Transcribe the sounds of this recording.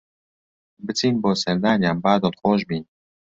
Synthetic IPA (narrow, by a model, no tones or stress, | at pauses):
bɨt͡sʰiːnboːsɛɾd̪aːnjaːnbaːd̪olxoːʃbiːn